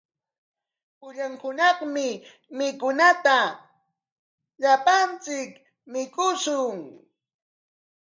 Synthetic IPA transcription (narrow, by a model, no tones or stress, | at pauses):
pʊʎaŋhʊnɑχmɪ | mɪkʊnat̪a | ʎapant͡sɪk | mɪkʊsʊŋ